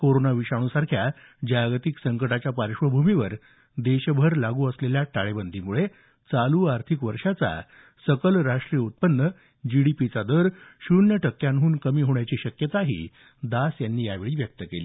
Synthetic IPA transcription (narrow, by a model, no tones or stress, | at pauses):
koɾonaʋiɕaɽ̃ũsaɾkʰja | d͡ʑajɡt̪iksəŋkəʈat͡ɕjapaɾɕʋəbʱumiʋəɾ | d̪eɕbʱəɾlaɡuːəsleljaʈaɭebənd̪ʱimuɭe | t͡saluːaɾt̪ʰikʋəɾʂat͡sa̰ | səkəlɾaʂʈɾijəut̪̚pənːə | d͡ʑiɽipit͡sad̪əɾɕunjəʈʰəkːjanɦuːnkəmiːɦoɳjat͡ɕiːɕəkjət̪aɦḭː | d̪asjanːiːjaʋeɭiːʋjək̚t̪əkeliː